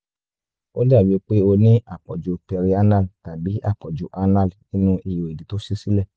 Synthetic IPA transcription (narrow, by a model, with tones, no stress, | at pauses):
o˦da˦˨bi˨˧˦k͡pe˦o˧nĩ˦ʔa˦˨k͡pɔ̰˨d͡ʒu˨˦pɛ˧ɾi˧a˦na˦˨lta˨bi˨˦ʔa̰˦˨k͡pɔ˨d͡ʒu˨˦ʔa˧na˦˨lnĩ˦nũ˦i˧jo˨e˨di˨˦to˦ʃi˦si˦lɛ˦˨